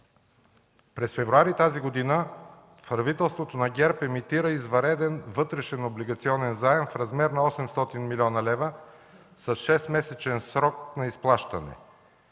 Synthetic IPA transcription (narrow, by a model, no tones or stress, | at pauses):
pɾɛsfɛvɾuaɾit̪aziɡod̪inə | fɾɐvit̪ɛlˠst̪vot̪onɐɡʲɛɾpɛmit̪iɾəizvɐɾɛd̪ɛnvɤt̪ɾɛʃɛnobliɡɐt̪siɔnɛnzaɛmfɾɐzmɛɾnɐɔsɛmst̪ɔt̪inmilʲɔnɐlɛvə | sɐsʃɛsmɛsɛt͡ʃɛnsɾɔk̚nɐisplˠaʃt̪ɐnɛ̰